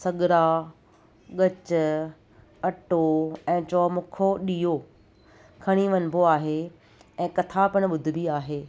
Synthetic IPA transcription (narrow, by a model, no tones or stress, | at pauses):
sɐɠɪɾa | ɠɐt͡ɕʊ | ɐʈoɛ̃ːt͡ɕɔːmʊkʰoɗiːɦo | kʰɐɽ̃iʋɐnbʱoaːɦe | ɛ̃ːkɐt̪ʰapɪɽ̃̆ɓʊd̪ʱɪ̆biaːɦeː